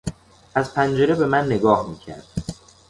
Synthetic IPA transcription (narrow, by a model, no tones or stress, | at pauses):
ʔæzpʰænd͡ʒe̞ɾebe̞mænːe̞ɡɒːhmiːcʰæ̰ɾd̪̥